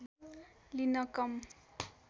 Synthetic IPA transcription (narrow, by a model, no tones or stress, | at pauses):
linʌkʌm